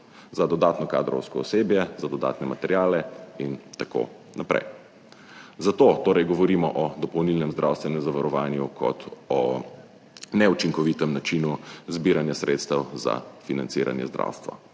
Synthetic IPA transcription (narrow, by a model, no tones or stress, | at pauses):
zad̪ɔd̪aːt̪nɔka̰ːd̪ɾɔ̰wskɔɔseːbjɛzad̪ɔd̪a̰ːt̪nɛmat̪ɛɾjaːlɛint̪ako̰ | napɾɛ̰j | zat̪ot̪oːɾɛjɡɔʋɔɾiːmɔʔɔd̪ɔpɔwnilnɛmzd̪ɾʔawst̪ʋɛnɛmzaʋaɾɔʋaːnjukʰɔ̰t̪ɔ | nɛut͡ʃiŋkɔʋiːt̪ɛmnat͡ʃinuzbiːɾanjasɾʔeːt̪st̪ɛwza̰finant̪siːɾa̰njɛ̰zd̪ɾʔa̰ːwst̪ʋa̰